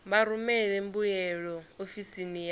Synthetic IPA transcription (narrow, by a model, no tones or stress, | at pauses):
βaɾumɛɺɛmbujɛɺɔofisinija